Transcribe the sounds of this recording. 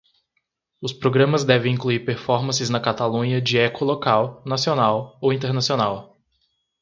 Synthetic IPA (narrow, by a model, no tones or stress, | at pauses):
ʊspɾoɡɾɐ̃mɐzd̪ɛvẽj̃ĩkluiɾpeɾfɔɾmɐ̃sɪznɐkat̪alũɲɐd͡ʒɪɛkʊlokawnasionawowĩnt̪eɾnasionaw